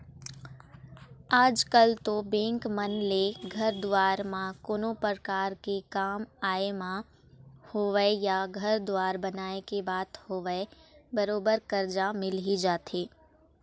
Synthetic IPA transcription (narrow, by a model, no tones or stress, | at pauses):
aːd͡ʒkəlt̪obẽːŋkmənleɡʱɐɾd̪waːɾmãkoːnopəɾkaːɾkekaːmaːemã | hoːʋəjaɡʱɐɾd̪ʊʋaːɾbɐnaːekebaːt̪hoːʋəbɐɾoːbəɾkɐɾd͡ʒamɪlɦid͡ʒaːt̪ʰeː